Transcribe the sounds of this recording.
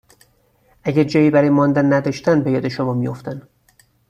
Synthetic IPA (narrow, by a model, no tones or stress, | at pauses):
ʔæɟæɾd͡ʒɒːjiːbæɾɒːjemɒːnd̪ænːæd̪ɒːʃt̪ænd̪bejɒːd̪eʃomɒːmijoft̪æn